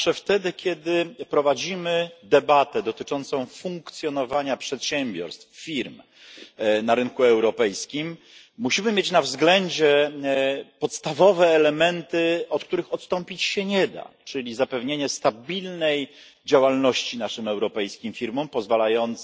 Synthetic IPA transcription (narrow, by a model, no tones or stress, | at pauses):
ʂɛft̪ɛd̪ɘkʲjɛd̪ɘpɾɔvad͡ʑimɘd̪ɛbat̪ɛd̪ɔt̪ɘt͡ʂɔnt̪sɔ̃w̃fuŋkt̪sʲjɔnɔvaɲapʂɛt̪ɕɛmbʲjɔ̰ɾst̪ffʲiɾm | naɾɘnkuɛwɾɔpɛjskʲimː | uɕimɘmʲjet͡ɕnavzɡlɛɲd͡ʑɛ | pɔt̪st̪avɔvɛːlɛmɛnt̪ɘɔt̪̚k̚t̪uɾɘxɔt̪st̪ɔmpʲit͡ɕɕɛɲɛd̪a̰t͡ʂɘlʲizapɛvɲeɲɛst̪abʲilnɛj | d͡ʑawalnɔɕt͡ɕinaʂɘmɛwɾɔpɛjskʲimfʲiɾmɔmpɔzvalajɔnt̪s